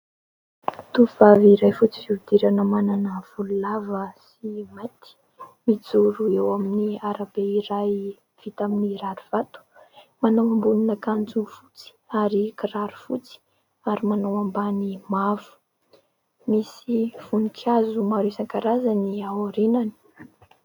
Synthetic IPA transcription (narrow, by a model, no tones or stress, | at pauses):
t̪uv̥aviɾajfut͡si̥viud̪iɾanəmananəv̥ululavəs | imajt̪i̥ | mid͡zuɾuewaminiaɾabeiɾaj | v̥it̪aminiɾaɾuv̥at̪u̥manawambununəkand͡zufut͡si̥aɾikiɾaɾufut͡si̥ | aɾimanawambanimavu̥ | misiv̥unikʰazumaɾesaŋkaɾazaniawoɾinani̥